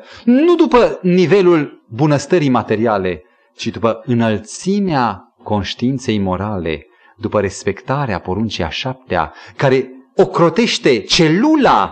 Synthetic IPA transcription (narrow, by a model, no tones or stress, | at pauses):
nud̪upənive̞lulbunəst̪əɾijmat̪e̞ɾiale̞ | t͡ʃid̪upəɨnəlt̪sinea | ko̞nʃt̪iint̪se̞jmo̞ɾale̞̰ | d̪upəɾe̞spe̞kt̪aɾea̰po̞ɾunt͡ʃia̰ʃap̚t̪ea̰kaɾe̞okɾo̞t̪e̞ʃt̪e̞t͡ʃe̞lula